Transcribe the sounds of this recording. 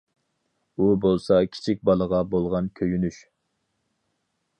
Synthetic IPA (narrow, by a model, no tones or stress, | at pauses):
ubolˠsɑkʲʰi̥t͡ʃʰik̚ʲbɑlˠəʁɑbolˠʁɑnkʲʰøjynyʃ